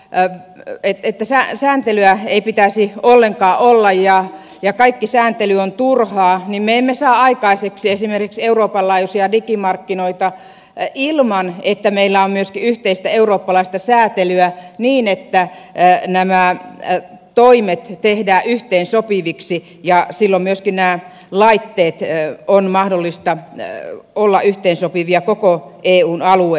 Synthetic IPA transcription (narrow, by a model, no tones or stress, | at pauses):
et̪et̪ːæsæsæːnt̪elyæeipit̪æsiolːeŋkɑːʔolːɑjjɑ | jɑkɑikːisæːnt̪elyont̪urhɑːnimmeemːesɑːɑikɑiseksiesimerkikseuroːpɑlːɑːjusiɑdikimɑrkːinoit̪ɑ | ilmɑnet̪ːæmeilːæommyøskiyht̪eist̪æeuroːpːɑlɑist̪ɑsæːt̪elyæniːnet̪ːænæmæ | t̪oimet̪t̪ehdæːʔyht̪eːnsopiʋiksi | jɑsilːommyøskinnæː | lɑit̪ːeːt̪onmɑhdolːist̪ɑ | olːɑ̰ʔyht̪eːnsopiʋiɑkokoʔeːuːnɑlue